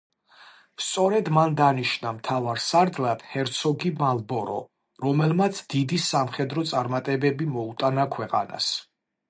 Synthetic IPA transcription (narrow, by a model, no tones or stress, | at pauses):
st̪sʼɔɾɛd̪mand̪aniʃnamt̪ʰavaɾsaɾd̪lad̪̥hɛɾt̪sʰɔɡimalˠbɔɾɔ̰ | ɾɔmɛlmat̪sʰd̪id̪isamχɛd̪ɾɔt̪sʼaɾmat̪ʼɛbɛbimɔut̪ʼanakʰwɛqʼa̰na̰s